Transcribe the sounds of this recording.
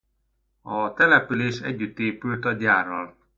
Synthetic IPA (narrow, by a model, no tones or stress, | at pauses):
ɒt̪ɛlɛpyleːʃɛ̰ɟːyt̪ːeːpylt̪ɒɟaːrːɒl